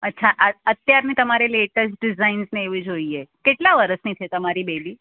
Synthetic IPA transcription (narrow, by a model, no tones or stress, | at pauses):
ətːʃʰaʔəət̪jaɾnit̪əmaɾeleʈəsʈɖɪzainsneeʋĩd͡ʒoiekeʈlaʋəɾəsnĩt͡ʃʰet̪əmaɾibebi